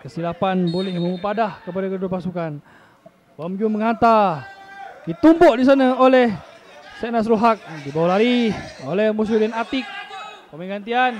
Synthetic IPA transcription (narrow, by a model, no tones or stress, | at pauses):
kəsilapanbolɛhməmupadahkəpadakədʊpasukan | wamd͡ʒuməŋant̪a | kit̪umbɔʔdis̬anəolɛh | sɛnas̬ɾuɦak̚dibawalaɾiolɛhmus̬udɛnat̪ɪk̚pəməɡant̪ian